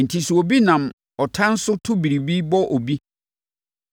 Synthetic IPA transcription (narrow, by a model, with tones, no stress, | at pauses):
n̩˨tʰi˨su˨o˨bi˦nã˨m | ɔ˨tʰã˦n̩˦sʊ˦tʰʊ˦bi˨ɾi˨bi˦bɔ˦ʔo˨bi˦